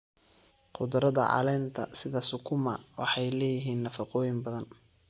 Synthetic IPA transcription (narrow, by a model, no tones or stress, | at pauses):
qʊd̪ʊɾɐðɐ̰ʕɑ̰lɛːnt̪ʰɐ̰sɪðɐsʊkʰʊmɐwɑ̰ħɑjlɛːjɪɦiːnːɐfɑqɔːjɪmbɐðɐn